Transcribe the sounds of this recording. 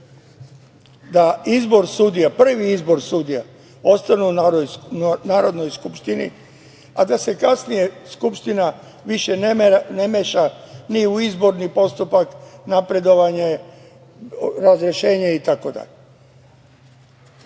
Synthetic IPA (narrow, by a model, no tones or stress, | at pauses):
d̪aizbo̞ɾsud̪ijapr̩ʋiizbo̞ɾsud̪ija | o̞st̪anunojnaːɾo̞d̪no̞jskupʃt̪inḭ | ad̪ase̞kasnije̞skupʃt̪ina | ʋiʃe̞nnemeʃaniuizbo̞ɾnipo̞st̪upaknapɾe̞d̪o̞ʋaɲe | ɾazɾeʃe̞ːɲeit̪ako̞d̪a̰ʎe